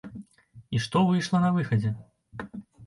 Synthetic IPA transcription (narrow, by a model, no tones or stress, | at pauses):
iʂt̪ɔvɨjʂlˠɐnɐvɨxɐd͡zʲɛ